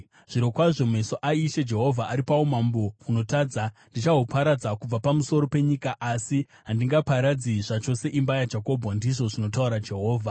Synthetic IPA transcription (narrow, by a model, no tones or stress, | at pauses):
ʐ̥iɾo̞kwaʐomesoʔaiʃed͡ʒe̞ɦo̞vʱaʔaɾipaomambo̞uno̞taːd͡zandit͡ʃaɦopʰaɾad͡zakub͡vapamuso̞ɾo̞pe̞ɲikaʔasi | ɦandiŋɡapaɾad͡ziʐat͡ʃo̞se̞ʔimbajad͡ʒako̞bʱɣandiʐo̞ʐino̞tauɾad͡ʒe̞ɦo̞ːvʱa